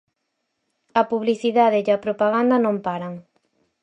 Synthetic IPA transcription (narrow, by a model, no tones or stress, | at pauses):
ɐpuβliθiðaðeapɾopaɣand̪ɐnõmpaɾaŋ